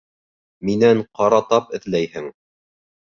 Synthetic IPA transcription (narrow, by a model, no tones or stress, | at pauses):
minæɴqɑɾɑt̪ɑpɘ̆θlæjhɘŋ